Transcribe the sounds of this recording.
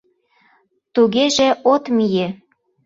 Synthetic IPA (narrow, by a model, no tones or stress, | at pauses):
t̪uɣeʒĕot̪mije